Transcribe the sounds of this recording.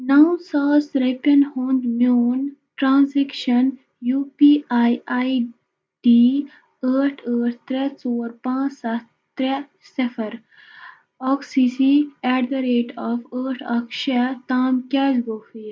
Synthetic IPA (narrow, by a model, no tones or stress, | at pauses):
nawnsaːsɾɐpɐnhoːnd̪mjoːn | ʈɾãːnsekʃɐn | juːpiːaːjaj | ɖiː | əːʈʰəːʈt̪ɾɛt͡soːɾpãːsɐ | t̪ɾɛ | sefɐɾ | ɔːksisiɛːʈd̪ɐɾeːʈɔːfəːʈʰɐkʃɐt̪aːmkɛːd͡ʒɡoːfiː